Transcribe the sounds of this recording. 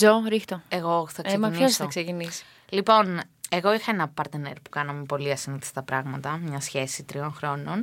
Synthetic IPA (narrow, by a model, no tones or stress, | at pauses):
zoɾixt̪oeɣo̞θɐksemɐniçosoθɐksecinisi̥ | lipo̞ne̞ɣo̞ixɐenɐpɐɾt̪enḛɾpu̥kɐnɐme̞po̞liɐsiniθi̥st̪ɐpɾɐɣmɐt̪ɐmɲɐsçe̞sit̪ɾio̞nxɾo̞no̞n